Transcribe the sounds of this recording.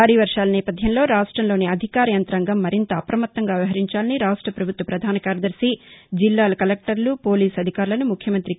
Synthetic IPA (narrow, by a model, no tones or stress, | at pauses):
aːɾiːʋɐɾʂaːlɐnɛːpɐd̪ʱjɐmlo̞ːɾaːʂʈɾɐmlo̞ːniɐd̪ʱikaːɾɐjɐnt̪ɾaːŋɡɐmːɐɾint̪ɐːpɾɐmɐt̪ːɐŋɡaːʋiɦɐɾiɲt͡ʃaːlɐniɾaːʂʈɾɐpɾɐbʱut̪ʋɐpɾɐd̪ʱaːnɐkaːɾɐd̪ɐɾsid͡ʒilːaːlɐkɐlek̚ʈɐɾlupo̞ːliːsɐd̪ʱikaːɾulɐnumukʰjɐmɐnt̪ɾi